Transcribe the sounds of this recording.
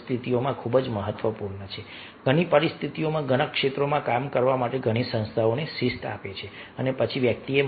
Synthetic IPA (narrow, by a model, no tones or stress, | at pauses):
st̪ʰit̪iomãkʰubd͡ʒməɦət̪ʋəpuɾɳət͡ʃʰe | ɡ̥ʱəɽ̃ipəɾist̪ʰit̪iomãɡəɽ̃əkʂet̪ɾomãkamkəɾʋamaʈeɡʱəɽ̃isə̃ñst̪ʰaonesist̪a̰pet͡ʃʰeənepət͡ʃʰiʋjək̚t̪ie